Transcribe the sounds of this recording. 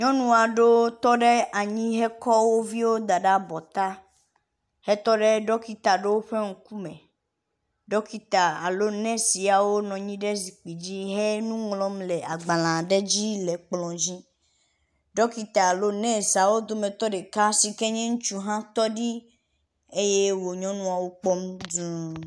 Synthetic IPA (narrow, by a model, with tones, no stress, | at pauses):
ɲɔ̃˦nũ˨a˨ɖo˦t̪ɔ˦ɖe˦a˨ɲĩ˦ɦɛ˦kɔ˦wo˦vi˦wo˦d̪a˨ɖa˦bɔ˨t̪a˦ | hɛ˦t̪ɔ˦ɖe˦ɖɔ˦ki˦t̪a˨ɖe˦wo˦ɸe˦ŋ̩˨ku˦mẽ˨ | ɖɔ˦ki˦t̪a˨a˨lo˦nɛ̃˦si˨a˨wo˦nɔ̃˨ɲĩ˦ɖe˦zi˨k͡pi˨d͡ʑi˦ɦe˦nũ˦ŋlɔ̃˦mle˨ʔa˨ɡ͡ba˨lã˨ɖe˦d͡ʑi˦le˨k͡plɔ̃˨d͡ʑi˦ | ɖɔ˦ki˦t̪a˨a˨lo˦nɛ̃˦˨sa˨wo˦d̪o˦mẽ˨t̪ɔ˦ɖe˨ka˦si˨kɛ˦ɲɛ̃˦ŋũ˦t͡ʃu˦ɦã˦t̪ɔ˦ɖi˦ | e˦je˦wo˨ɲɔ̃˦nũ˦a˨wo˦k͡pɔ˦md̪u˨